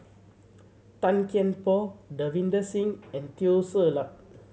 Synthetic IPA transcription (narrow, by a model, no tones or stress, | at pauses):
t̪ãnkɛ̃npɔdəvĩndəsĩŋɛ̃nt̪iosəlap̚